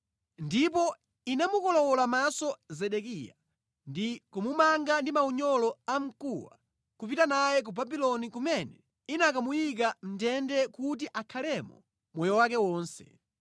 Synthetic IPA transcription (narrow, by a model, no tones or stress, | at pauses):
ndipɔ | inamukɔlɔwɔlamasɔzɛɗɛkija̰ | ndikumumaŋɡandimauɲɔlɔam̩kuwa̰ | kupitanajɛk̬ubabilɔnikumɛnɛ | inak̬amujik̬am̩tɛndɛkut̬iʔakʰalɛmɔ̰ | mwɔjɔwakɛwɔːnsɛ̥̰